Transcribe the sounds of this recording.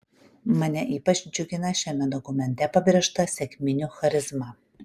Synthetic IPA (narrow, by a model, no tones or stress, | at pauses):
mɐnʲɛʔiːpɐt͡ʃʲd͡ʒʲʊɡʲɪnɐʃʲɛmʲɛd̪ɔkʊmʲɛnʲt̪ʲɛpɐbʲɾʲɛʃt̪ɐsʲɛkʲmʲɪnʲuxɐɾʲɪzmɐ